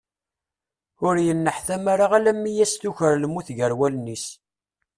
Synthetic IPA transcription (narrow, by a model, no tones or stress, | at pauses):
ʊɾjənːəħθæmaɾaʁalæmːijæst̪uçəɾlmuθʝəɾwælnːis